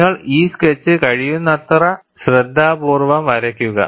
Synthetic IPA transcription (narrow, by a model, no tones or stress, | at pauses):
ɐɭiːsket͡ɕːɨkɐɻijunːɐt̪rɐ | ɕred̪ʱːaːbuːrʋɐmʋɐɾɐkʲːuɣɐ̰